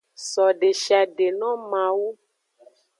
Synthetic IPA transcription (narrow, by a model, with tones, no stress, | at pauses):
sɔ˨ɖe˨ʃa˨ɖe˨nɔ̃˦mã˨wu˦